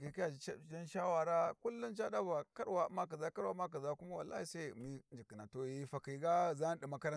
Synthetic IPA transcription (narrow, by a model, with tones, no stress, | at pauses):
ki˨ka˦a˨˦˨d͡ʒa˦nʃa˦wa˨ɾa˦ku˦lːu˦nt͡ʃa˦ɗa˦ba˨ka˦ɾwa˨˦ma˦k̬a˨za˦ka˦ɾwa˦ma˦k̬a˨za˦ku˦ma˦wa̰˨lːʔa̰˦hi˨sa˦˨mi˦nd͡ʒi˨ki˨na˨to˨˦˨i˦fa˨ka˨ɡa˦˨za˦ɗi˨ma˦kɐ˦ɾa˦